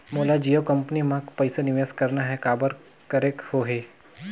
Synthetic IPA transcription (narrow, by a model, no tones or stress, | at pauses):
moːlad͡ʒijokɐ̃mpnimãkpɐɪsenɪʋeːskɐɾnaɦɛkaːbəɾ | kəɾekhoːɦeː